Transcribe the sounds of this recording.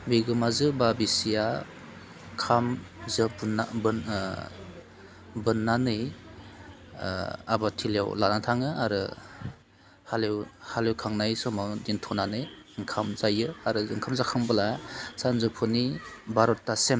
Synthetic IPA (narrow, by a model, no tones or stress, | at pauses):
biɡɯmazɯbabisija | kʰamzɯbnab | bɯnːanɯj | a̰batʰilja̰wlanatʰaŋɯaɾɯ | halewhalewkʰaŋnajsɔmadintʰɔnanɯjŋkʰamzajɯaɾɯɯŋkʰamzakʰɯŋbɯlasanzɯpʰunibaɾɔtːasem